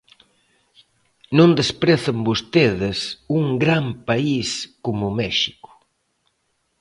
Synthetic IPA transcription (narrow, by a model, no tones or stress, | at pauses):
nõnd̪espɾeθɐmbost̪eðɪsuŋɡɾampaiskomʊmɛʃi̥kʊ̥